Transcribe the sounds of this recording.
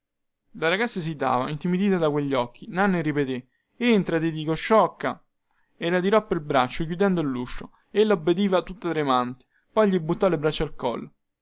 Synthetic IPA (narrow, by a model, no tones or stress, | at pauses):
laɾaɡat̪sːas̬id̪a̰ːva̰int̪imid̪iːt̪ad̪akweʎːɔk̟ːinanːeripet̪e | ent̪ɾat̪id̪iːkoʃːɔkːa̰ | elat̪iɾɔpːeilbɾat͡ʃːok̬jud̪ɛnd̪oilːuʃːo | elːaobːed̪iːvat̪ut̪ːat̪ɾemant̪e̥ | pɔjʎibːut̪ːɔlebɾat͡ʃːalkɔ̰lː